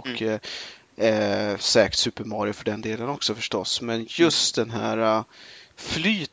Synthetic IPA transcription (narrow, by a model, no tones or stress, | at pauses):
kʰː | sɛːk̪sʉ̟ːpəɾmɑːɾɪʊfœɖɛnd̪eːlənɔksɔfœʂʈɔsmɛnjɵst̪̚d̪ɛnɦæːɾa | flyːt̪